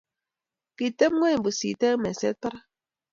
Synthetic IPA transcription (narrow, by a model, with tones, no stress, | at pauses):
ki˨te˦m˦ŋʷe˦˨bu˨sḭ˨te˦me˨sḛ˦ta˦ɾa˦